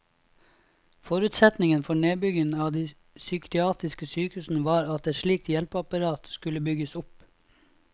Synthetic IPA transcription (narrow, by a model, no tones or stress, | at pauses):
fɔɾʉːt̪sɛt̪nɪŋənfɔɳeːbʏɡənɑːʋd̪iː | sʏːkɾɪɑːt̪ɪskəsyːkhʉːsn̩əʋɑːɾɑt̪̚d̪eːʃɭiːk̚t̪jɛlpɑpɑɾɑːt̪skʉləbʏɡəsʊp